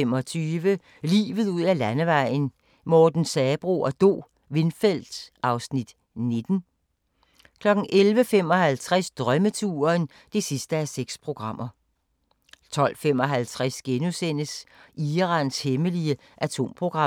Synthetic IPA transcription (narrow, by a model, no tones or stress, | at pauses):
emɒ̽t͡sʰyːʋə | lḭːʋð̞̩ˠuð̰ˠælænəʋɑ̈ɪ̰n̩ | mɒːd̥n̩sɛːb̥ʁo̰ɒd̥o̝̰ː | ʋe̝nfel̰d̥sʔɑ̈ʊsnid̥ | ne̝d̥n̩ | kʰlɒ̽ɡ̥n̩ʔelʋəfem̰ɒ̽ɦælt͡sʰʁasd̥ʁɶmət͡sʰuːɐn | d̥e̝sisd̥əæseɡ̥spʰʁo̝ɡ̥ʁɑ̈m̰ɐ | t͡sʰɒ̽l̰fem̰ɒ̽ɦælt͡sʰʁæsɡ̥enusen̰əsʔiːʁɑ̈nsheməliə | ʔæt͡sʰo̝̰mpʰʁo̝ɡ̥ʁɑ̈